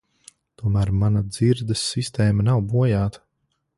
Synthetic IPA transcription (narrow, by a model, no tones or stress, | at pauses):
t̪uɔmæːɾmanad̪ziɾd̪ɐsːist̪ɛːmɐnawbuɔjaːt̪ɐ̥